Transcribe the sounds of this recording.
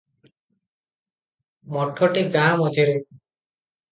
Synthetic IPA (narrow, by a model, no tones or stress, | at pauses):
mɔʈʰɔʈiɡãːmɔd͡ʒeɾe